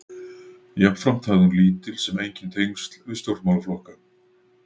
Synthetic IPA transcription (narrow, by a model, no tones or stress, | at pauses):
japnfɾam̥t̪ʰaːðʏnliːt̪ɪlsɛmejɲcɪnt̪ʰejŋst̪l̥vɪst̪jowɾt̪mawlaflɔhka